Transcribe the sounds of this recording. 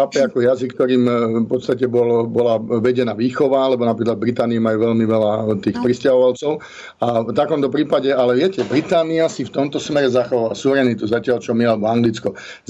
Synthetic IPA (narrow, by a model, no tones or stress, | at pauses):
aːpɛakɔjazikːt̪ɔɾiːmfpɔt̪st̪acɛbɔlbɔlaʋɛɟɛnaːʋiːxɔʋaalɛbɔnapɾiklad̪bɾit̪aːniimajuʋɛlmiʋɛlat̪iːxpɾiscaɦɔʋalt͡sɔʊ | at̪akɔmt̪ɔpɾiːpaɟɛalɛʋɪɛcɛbɾit̪aːniasift̪ɔmt̪ɔsmɛɾɛzaxɔʋaʋasuʋɾɛnit̪uzacɪalt͡ʃɔmialɛbɔaŋɡlit͡skɔ | z